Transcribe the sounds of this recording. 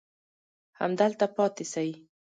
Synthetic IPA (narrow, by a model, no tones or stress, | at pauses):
ha̰md̪əlt̪apɑt̪esai